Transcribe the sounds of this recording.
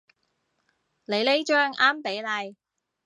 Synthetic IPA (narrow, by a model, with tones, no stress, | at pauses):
le˨˧jle˥jt͡ʃœː˥ŋaː˥mpe˨˥jlɐ˧j